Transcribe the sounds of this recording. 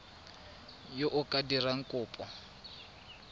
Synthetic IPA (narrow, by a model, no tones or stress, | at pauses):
joʔʊkʼadiraŋ̩kʼʊːpʼɔ